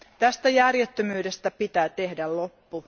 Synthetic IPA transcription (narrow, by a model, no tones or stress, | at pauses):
t̪æst̪æjærjet̪ːømyːdest̪æpit̪æːt̪e̞hdællo̞pːu